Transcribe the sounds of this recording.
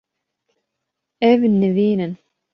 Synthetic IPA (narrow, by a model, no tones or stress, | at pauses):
ævənːəviːnən